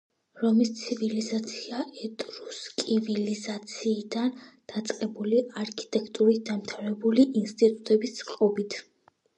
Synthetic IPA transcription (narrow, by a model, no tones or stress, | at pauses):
ɾɔmist̪sʰivilizat̪sʰiaʔɛt̪ʼɾuskʼivilizat̪sʰiːd̪and̪̥at̪sʼqʼɛbuliaɾkʰi̥t̪ʼɛkʰʼt̪ʼuɾit̪̚d̪amt̪ʰaɾɛbuliʔinst̪ʼit̪ʼut̪ʼɛbissqʼɔbit̪ʰ